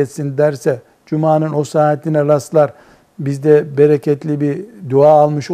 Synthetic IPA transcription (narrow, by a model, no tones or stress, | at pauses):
ɛt̪sind̪æɾsɛ | d͡ʒumaːnɯno̞saːɦɛt̪ʰinɛɾast̪lˠaɾ | bizd̪ɛbeɾecʰɛt̪lʲibiɾd̪uaːlˠmɯʃ